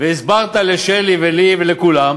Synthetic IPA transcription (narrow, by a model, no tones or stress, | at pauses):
veisbaʁt̪aleʃelivelivelekulam